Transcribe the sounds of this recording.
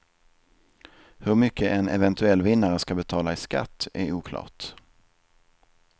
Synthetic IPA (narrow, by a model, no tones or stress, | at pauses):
hɵɾmʏkʰːəʔɛnɛvɛnt̪ʰɵɛlːvɪnːaɾəskabɛt̪ʰɑːlaɪska̰t̪ːæɾuːkʰlɑ̰ːʈ